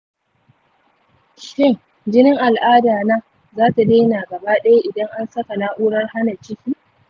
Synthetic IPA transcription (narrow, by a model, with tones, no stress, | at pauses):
ʃɪ˦˨ŋ | d͡ʒɪ˦nɪ˦ŋʔa˨lʔaː˦daː˨naː˦ | zaː˦ta˨neː˦naː˨ɡɐ˨baː˦ɗɐ˦ja˦ʔɪ˨dɐ˦ŋʔa˦nsɐ˦ka˨naː˦ʔuː˦ɽɐ˦rha˦na˨t͡ʃɪ˦kʲiː˦